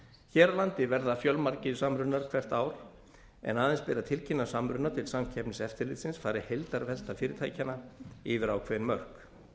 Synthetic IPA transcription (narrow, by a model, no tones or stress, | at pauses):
çɛːɾalant̪ɪvɛɾðafjœlmaɾcɪsamɾʏnaɾ̥kʰv̥ɛr̥t̪aːwɾ̥ | ɛ̰naːðɛnspɪɾat̪ʰɪlcʰɪnːasamɾʏnːat̪ʰɪlsamcʰɛpnɪsɛft̪ɪɾlɪt̪sɪnsfaːɾɪhejlt̪aɾvɛl̥t̪afɪːɾɪt̪ʰaːjcanaɪvɪɾaːwkʰvɛnmœr̥k